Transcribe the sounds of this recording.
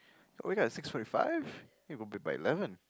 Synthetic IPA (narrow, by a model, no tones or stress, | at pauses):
wiɡɑtsɪksfɔɹɾifa̰ɪv̥ | ɨt̚wəlˠbibaɪɨ̰lɛvə̃n